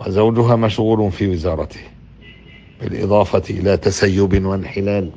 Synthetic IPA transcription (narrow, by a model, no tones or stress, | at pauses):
wɪzawd͡ʒʊɦaːmaʃɣuːlʊnfiːwɪzɑːɾˤɑt̪ɪ̥h | b̥ɪ̰lʔɨ̰d̪ˤɑːfɑʔɪlaːt̪asajːʊbwanħɪlaːl